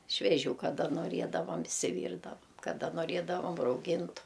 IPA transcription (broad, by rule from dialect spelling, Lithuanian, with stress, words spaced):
ʃʲʋʲɛˈʒʲuː kɐˈdɐ noːˈrʲiɛdɐʋɐm ɪʃʲsʲɪˈʋʲiːrdɐʋɐm kɐˈdɐ noːˈrʲiɛdɐʋɐm rɐʊˈɡʲɪntʊ